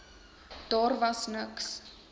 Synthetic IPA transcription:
d̥ɑːrvɐsnəks

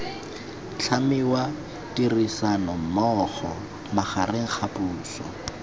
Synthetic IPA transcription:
t͡ɬʰamɪwa | tirisanɔm̩mɔχɔ | maχarɪŋ̩χapʼuːsɔ̰

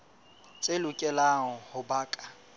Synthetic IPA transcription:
t͡sʼelʊkʼɛlaŋ̩hʊbaːkʼḁ

